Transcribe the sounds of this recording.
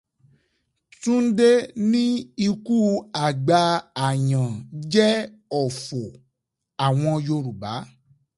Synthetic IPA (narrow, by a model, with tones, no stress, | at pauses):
tũ˦n̩˦de˦nĩ˦i˧ku˦a˨ɡ͡ba˧a˨jã˨d͡ʒɛ˦ | ɔ˨fo˨ | a˨w̃ɔ̃˧jo˧ɾu˨ba˨˦